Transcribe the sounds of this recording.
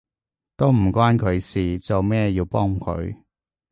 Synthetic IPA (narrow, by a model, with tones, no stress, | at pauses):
t̪o˥wm̩˨˩kwaː˥nkʰɵ˨˧ɥsiː˨t͡so˨wmɛː˥jiː˧wpɔː˥ŋkʰɵ̰˨˧ɥ